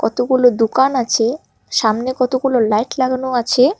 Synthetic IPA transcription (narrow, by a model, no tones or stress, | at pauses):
kɔt̪okulod̪ukanat͡ɕʰe | ʃamnekɔt̪okulolajʈlaɡanoat͡ɕʰe